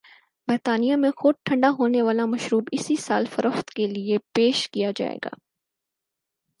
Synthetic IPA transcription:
bəɾt̪aːnijamẽxʊd̪̚ʈʰɐ̃ɳɖaɦoːneʋaːlamɐʃɾuːbɪsisaːlfɐɾəft̪keliepeːʃkijad͡ʒa̰ːḛːɡa̰ː

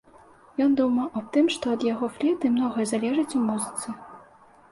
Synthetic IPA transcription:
jɔnd̪umɐwʔɐt̪ɨmʂt̪ɔɐd̪jaɣɔflʲɛt̪ɨmnɔɣɐjɐzalʲɛʐɨt͡sʲumuzɨt̪sɨ

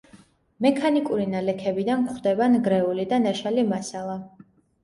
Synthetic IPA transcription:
mɛkʰanikʼuɾinalɛkʰɛbid̪ankχd̪ɛbanɡɾɛulid̪anaʃalimasalˠa

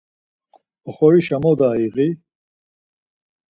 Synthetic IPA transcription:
ɔχɔɾiʃamɔd̪aːiɣi

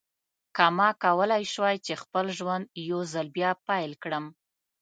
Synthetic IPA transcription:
kamɑkawəlajʃwajt͡ʃexpəlʒwand̪jozalbjɑpajlkɽəm

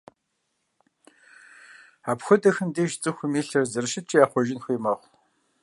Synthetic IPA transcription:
aːpxʷʊdɐxɨmdeːʒt͡sʼɨxʷʊmiːɬɐrzɨrʃɪt͡ʃʰʼiːjaːχʷɔʒɪnxʷiːmɐʁʷ

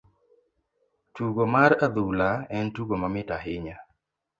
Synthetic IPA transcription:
tuɡomaɾad̪ulaɛntuɡomamɪtaɦɪɲa

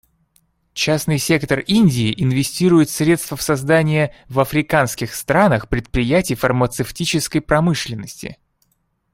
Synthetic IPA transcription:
t͡ɕasnɨjsʲe̞kt̪ərinʲdʲɪːʔɪnvʲɪsʲtʲiɾʊjɪt̪sɾʲe̞t̪st̪vəfsɐzd̪anʲɪjəvɐfɾʲɪkanskʲɪxst̪ɾanəxpɾʲɪt̪̚pɾʲɪjætʲɪjfərmət̪sɨftʲit͡ɕɪskəjpɾɐmɨʂlʲɪnːəsʲtʲɪ̰

